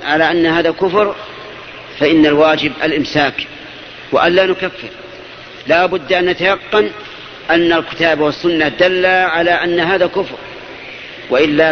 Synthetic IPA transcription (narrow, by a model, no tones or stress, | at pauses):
ʕalaːʔanːahaːðakʊfɾ | faʔɪnːalwaːd͡ʒɪbʔalʔɪmsaːk | wa̰ʔanlaːnʊkafːɪɾ | laːbʊd̪ːʔanːat̪ajɑqːɑn | ʔanːalkɪ̥t̪aːbwasːʊnːad̪alːaʕalaʔanːaɦaːðakʊfɾ | waʔɪlːa